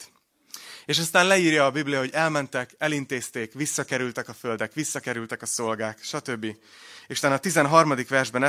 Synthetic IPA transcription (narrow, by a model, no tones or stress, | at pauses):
eːʃɒst̪aːnlɛiːrjɒːbiblijɒɦo̞ɟɛlmɛnt̪ɛkɛlint̪eːst̪eːkʋisːɒkɛɾylt̪ɛkɒfø̞ld̪ɛkʋisːɒkɛɾylt̪ɛkɒso̞lɡaːkʃɒt̪ø̞bːi | eːʃut̪aːnɒt̪izɛnɦɒrmɒd̪ikʋɛrʒbɛn